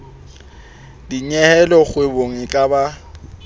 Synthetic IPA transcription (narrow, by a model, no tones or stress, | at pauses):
diɲɛhɛlɔχweboŋ̩kʼaba